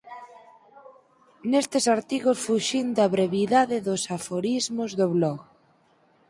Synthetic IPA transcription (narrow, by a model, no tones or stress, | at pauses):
nest̪ɪsaɾt̪iɣosfuʃind̪ɐβɾeβiðaðɪðosafoɾizmʊzðoβlɔɣ